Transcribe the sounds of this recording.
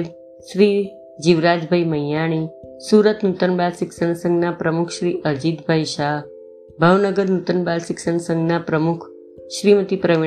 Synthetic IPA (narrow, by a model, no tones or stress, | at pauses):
ʃɾi | d͡ʒiʋɾad͡ʒbʱajməjjaɽ̃isuɾət̪nut̪ənbalʃɪksəɳsə̃ŋɡnapɾəmukʰʃɾiʔəɾd͡ʒit̪bʱaiʃaɦ | bʱəʋnəɡəɾnut̪ənbalʃɪksəɳsəŋɡnapɾəmukʰ | ʃɾimət̪ipɾəʋi